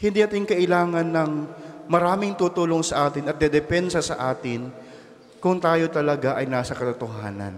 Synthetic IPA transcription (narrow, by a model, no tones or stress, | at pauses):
hɪnd̪iːnɐt̪ɪnkɐʔɪlaːŋɐnːɐŋmɐɾaːmɪŋt̪uːt̪uːloŋsɐʔaːt̪ɪnɐt̪̚d̪ɛd̪ɛpɛnsɐsɐʔaːt̪ɪn | kʊŋt̪aːjo̞t̪ɐlɐɡaʔɐjnaːsɐkɐt̪ʊt̪oɦaːnɐ̰n